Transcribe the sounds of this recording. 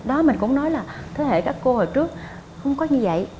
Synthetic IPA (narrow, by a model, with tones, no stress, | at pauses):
ɗɔ˨˦mï˨˩ŋ̟kʊ̰˧˥wŋ͡mnɔ˨˦jlaː˨˩t̪ʰe˨˦hḛ˧˨kaː˦˥kːo˧hoː˨˩t͡ɕɨ˦˥ək̚ | xə˧wŋ͡mkɔ˨˦ɲɨ˧və̰˧˨j